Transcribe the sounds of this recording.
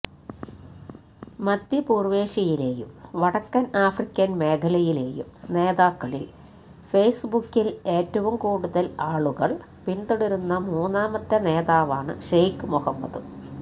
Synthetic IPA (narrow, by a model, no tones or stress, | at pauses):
mɐd̪jipuːrʋe̞ːʂɐjile̞ːjṵmʋɐɽɐkːɐnaːfrikʲːɐnme̞ːkʰɐlɐjile̞ːjṵmne̞ːðaːkːɐɭḭl | fejsbukːile̞ːtːɐʋumkuːɽuðɐlaːɭuɣɐɭ | pint̪oɽiɾunːɐmuːnːaːmɐt̪ːene̞ːðaːʋaːɳɨ̰ʂejkɨmuhɐmːɐ̰ðɨ